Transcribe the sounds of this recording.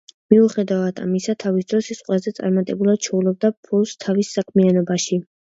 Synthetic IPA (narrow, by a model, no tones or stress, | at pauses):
miuχɛd̪avad̪ʰa̰misat̪ʰavisd̪ɾɔsisqʼwɛlazɛt̪sʼa̰ɾmat̪ʼɛbulˠad̪̥̚t͡ʃʰɛulˠɔb̚d̪apʰulˠst̪ʰavisːakʰmianɔbaʃi